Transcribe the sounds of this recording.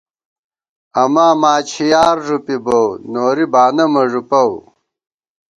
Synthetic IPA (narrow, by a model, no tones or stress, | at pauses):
ɐmaːmaːt͡ɕʰijaːɾʐupibownoːɾibaːnɐmɐʐupɐw